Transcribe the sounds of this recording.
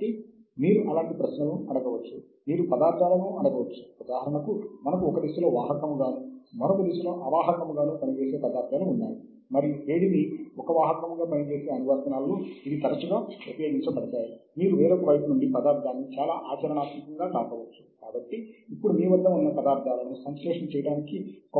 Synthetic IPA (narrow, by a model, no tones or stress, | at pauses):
i | miːɾuʔɐlaːɳʈipɾɐʃnɐmumɐɽɐɡɐʋɐt͡ʃːu | miːɾupɐd̪aːɾd̪ʰʱaːlɐʋɐmɐɽɐɡɐʋɐt͡ʃːu̥pɐd̪aːɦɐɾɐɳɐkumɐnɐkuɔkɐd̪isulo̞ːʋaːɦɐkɐmuɡaːnumɐnokɐd̪isulo̞ːʔɐʋaːɦɐɾɐɳɐmuɡaːnuːpɐnit͡ʃe̞ːse̞ːpɐd̪aːɾt̪ʰːaːluunːaːji | mɐɾiueːɽid̪iɔkɐʋaːɦɐkɐmɡaːpɐnit͡ʃe̞ːseːɐnuʋɐɾt̪ɐnaːlːuid̪it̪ɐɾɐt͡ʃuɡaːupɐjoːɡiɲt͡ʃɐbɐɽit̪aːjimiːɾuʋeːɾoːkɐʋɐjpunuɳɖipɐd̪aːɾd̪ʱaːnːit͡ʃaːlaːʔaːt͡ʃɐɾɐɳaːt̪mikɐŋɡaːkaːkɐʋɐt͡ʃːu̥kaːbɐʈːiːpːuɽumiːʋɐd̪ːɐmɐnːɐpɐd̪aːɾd̪ʱaːlɐnusɐnslɛːʂɐnt͡ʃɛjɐɽaːnikik